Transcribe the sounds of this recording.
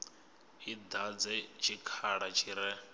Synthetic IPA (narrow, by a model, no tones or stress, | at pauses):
ɦid̪ad͡zɛt͡ʃʰikʰaɺat͡ʃʰiɾɛ